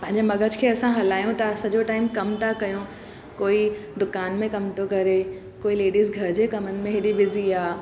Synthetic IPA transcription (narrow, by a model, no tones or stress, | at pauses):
pɐ̃ɦɪ̃ɲd͡ʑemɐɡʱəd͡ʑkʰeːɐsãɦɐlaːjõt̪ɐsɐd͡ʑoʈaːɪmkɐmt̪ʰakɐjõ | koːid̪ʊkaːnmẽkɐmt̪okɐɾe | koːileːɖiːzɡʱɐɾd͡ʑekɐmənɪ̆mẽɦɪɗibɪziaː